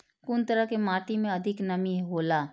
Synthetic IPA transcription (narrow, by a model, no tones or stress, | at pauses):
kʊnt̪əɾəɦkemaːʈ̪imẽɐd̪ʱɪknɐmiɦɦoːlaː